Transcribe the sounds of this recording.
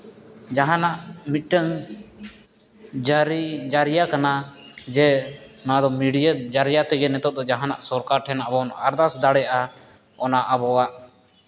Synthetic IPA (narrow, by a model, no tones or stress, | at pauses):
d͡ʒaɦãnaʔmiʈəŋ | d͡ʒɾid͡ʒaɾijakana | d͡ʒɛnad̪ɔmiɽijad͡ʒaɾijat̪ɛɡənɛt̪ɔt̪̚d̪ɔd͡ʒaɦãna̰ʔsɔɾkaɾʈʰɛnabɔn̰ʔaɾd̪asd̪aɽɛaʔa | ɔnaʔabɔwaʔ